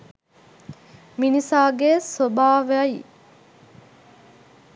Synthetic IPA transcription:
minisaːɡesobaːʋai

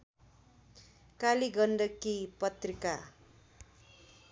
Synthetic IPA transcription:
kaliɡʌnɖʌkipʌt̪rika

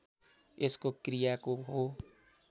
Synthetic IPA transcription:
eskokɾijakoɦo

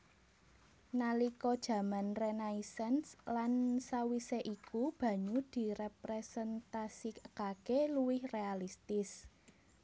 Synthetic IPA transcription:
nalikɔd̥ʒ̥ä̤manrenaisɛnslansawiseʔikub̥ä̤ɲud̪̥i̤repɾesɛnt̪asikkakeluwɪhrealist̪ɪs

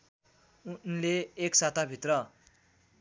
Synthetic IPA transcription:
unleːksat̪ʰabʱit̪rʌ

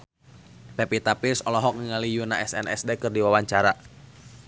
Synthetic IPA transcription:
pɛpit̪apirsɔlɔɦɔk̚ŋəŋalijunaʔɛsɛnɛ̰sdɛkɨrdiwawaɲt͡ʃaɾa

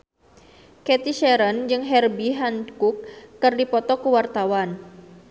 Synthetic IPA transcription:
kɛt̪iʃɛɾənd͡ʒɨŋɦɛrbiɦankukːɨrdipɔt̪ɔkuwart̪awan

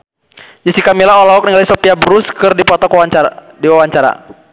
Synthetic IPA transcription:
d͡ʒisikamilaɔlaɔk̚niŋalisɔpiabɾuskɨrdipɔt̪ɔkaa | diwawaɲt͡ʃaɾa̰

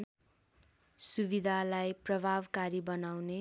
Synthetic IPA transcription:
subid̪ʱalajprʌbʱabkaɾibʌnawne

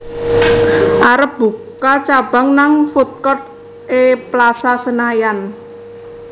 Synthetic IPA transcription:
ʔaɾəp̚b̥ukat͡ʃab̥a̤ŋnaŋfut̪̚kɔt̪̚ | ʔeplasasənajan

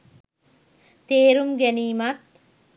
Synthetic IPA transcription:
t̪eːɾumɡɛniːmat̪̚

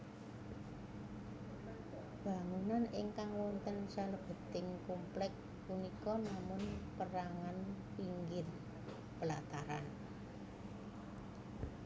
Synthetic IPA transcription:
b̥a̤ŋunanɪŋkaŋwɔnt̪ənsaləb̥ə̤t̪ɪŋkumplɛk̚ | punikɔnamʊnpəɾaŋanpiŋɡɪr | b̥əlat̪aɾan

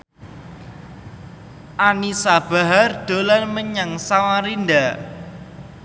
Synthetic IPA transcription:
ʔanisab̥aɦard̪̥o̤lanməɲaŋsawaɾind̪a

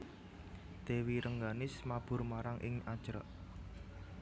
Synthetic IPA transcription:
d̪̥ewiɾəŋɡanɪsmab̥ʊ̤rmaɾaŋʔɪ̰ŋḁʒ̥ɾɔ̰ʔ

